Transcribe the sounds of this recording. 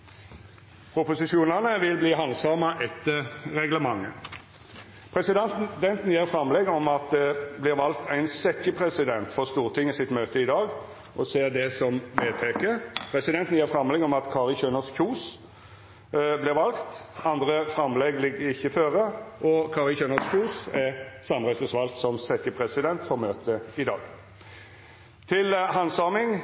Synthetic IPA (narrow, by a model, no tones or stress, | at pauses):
pʰɾʊpʊsɪʃuːnɑnəʋɪlbliːɦɑnsɑːmɑʔɛt̪ːəɾɛɡləmɑŋːə̰ | pʰɾɛsɪd̪ɛnt̪n̩jeːʁfɾɑmlɛɡɔmɑt̪̚d̪ɛblɪʁʋɑlkt̪ʰæɪnsɛkːəpʰʁɛsɪd̪ɛnt̪fɔʁst̪uːʁt̪ʰɪŋːəsɪt̪møːt̪əɪd̪ɑːɡ | ʔɔseːd̪ɛsɔmʋeːt̪ʰɛkəpʰɾɛsɪd̪ɛnt̪n̩jiːɾfʁɑmlɛɡɔmɑt̪kʰɑːʁɪçøːnəskʰuːs | blɪʁʋɑlkt̪ɑnd̪ʁəfɾɑmːlɛɡlɪɡːəɾɪçːəføːɾəʔɔkʰɑːʁɪlçøːnəskʰuːsæsɑmʁæɪsəsʋɑlkt̪sɔmsɛkːəpʰʁɛsɪd̪ɛnt̪fɔʁmøːt̪əɪd̪ɑːɡ̥ | t̪ʰɪlɦɑnsɑːmɪŋ